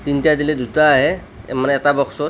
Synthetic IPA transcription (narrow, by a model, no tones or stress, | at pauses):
t̪intjad̪iled̪utaːɦḛ | maneːt̪abɔksɔ